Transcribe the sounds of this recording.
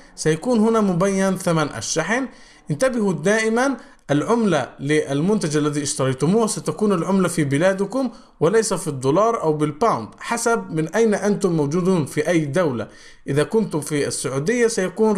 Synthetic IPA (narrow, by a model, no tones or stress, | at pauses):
sajakuːnhʊnamʊbajːanθamanʔa̰ʃːaħn | ʔɪnt̪abɪhud̪aːʔɪman | ʔalʕʊmlalɪʔalmʊnt̪ad͡ʒʔalːæðiːʔɪʃt̪ɑɾˤɑjt̪ʊmuːhsat̪akuːnalʕʊmlafibɪlaːd̪ʊkʊm | wɪlajsafid̪ˤːoːlɑːɾˤʔawbɪlpawnd̪ħasab̚mɪnʔajnaʔant̪ʊmːawd͡ʒuːd̪uːnfiʔajːd̪awla̰ | ʔɪðaːkʊnt̪ʊmfiasːʊʕuːd̪ɪjːasajakuːn